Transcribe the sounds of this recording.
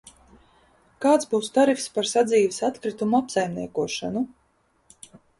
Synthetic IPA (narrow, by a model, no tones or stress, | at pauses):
kaːt̪sbuːst̪aɾifspaɾsad̪zʲiːvsat̪kɾit̪umuapsajmniɛkuɔʃa̰nu